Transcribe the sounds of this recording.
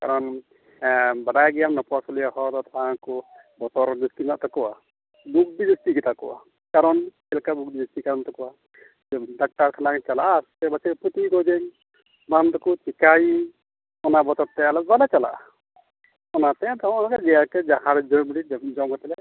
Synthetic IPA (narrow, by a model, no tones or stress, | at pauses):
kaɾɔn | baɖajɡijaŋnɔpɔwasɔlijaɦɔt̪ɔt̪ʰãkɔ | bɔt̪ɔɾd̪iskinaʔt̪ɔkɔwa | buk̚did͡ʒest̪iɡit̪aʔkɔwa̰ | kaɾɔnkɛlkabuk̚bid͡ʒest̪ikaɾɔnt̪ɔkɔwa | ɖak̚ʈaɾkʰanakɛt͡ʃalaʔst̪ɛbat͡ʃɛput̪iɡɔd͡ʒɛŋ | bant̪ɔkut͡ʃikai | ɔnabɔt̪ɔɾt̪ɛalɛbalat͡ʃala̰ʔ | ɔnat̪ɛãt̪ɔ̃ɔnakɛd͡ʒɛjakɛd͡ʒaɦãɾd͡ʒɔbiɽid͡ʒɔmkɔt̪ɛlɛ